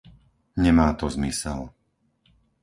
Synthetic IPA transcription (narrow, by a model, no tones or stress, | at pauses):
ɲɛmaːt̪ɔzmisɛ̰l